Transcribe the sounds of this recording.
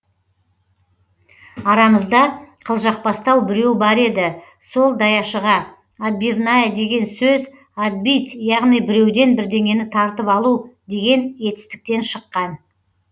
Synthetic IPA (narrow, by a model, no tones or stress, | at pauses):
ɑɾɑməzd̪ɑqʰəlˠʒɑq̚pɑst̪ɑwbɪɾe̞wbɑɾe̞d̪ɪ | so̞lˠd̪ɑjɑʃəʁɑ | ad̪̚bivnajed̪e̞ɡʲe̞nsɵz | ad̪̚bijt̪jɑʁnijbɪɾe̞wd̪e̞nbɪɾd̪e̞ŋʲe̞nɪt̪ʰɑɾt̪əpɑlˠud̪e̞ɡʲe̞nje̞t̪ɪ̥st̪ɪ̥k̚t̪e̞nʃəqːɑn